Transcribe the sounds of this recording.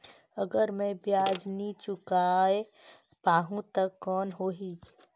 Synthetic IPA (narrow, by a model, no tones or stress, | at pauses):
əɡəɾmɛ̃bjaːd͡ʒnit͡ʃʊkaːe | paːɦũt̪əkːɔːnɦoːɦiː